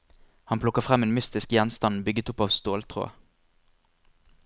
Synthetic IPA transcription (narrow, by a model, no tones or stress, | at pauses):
hɑnpʰlʊkəʁfʁæmeːnmʏst̪ɪskjɛnst̪ɑnbʏɡət̪ʊpɑːʋst̪oːlt̪ʰʁo̰ː